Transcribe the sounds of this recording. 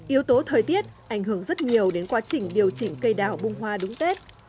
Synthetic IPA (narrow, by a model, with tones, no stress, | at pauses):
ʔi˨˦əwt̪o˨˦t̪ʰəː˨˩jt̪i˦˥ət̚ʔa˧˩jŋ̟ɦɨ˧˩əŋzə˦˥t̚ɲi˨˩əwɗe˨˦nkwaː˨˧˦t͡ɕï˨˩ŋ̟ɗi˨˩əwt͡ɕï˧˩ŋ̟kə˧jɗaː˧˩wɓʊ˧ŋ͡mɦwaː˧ɗʊ˨˦ŋ͡mt̪e˦˥t̚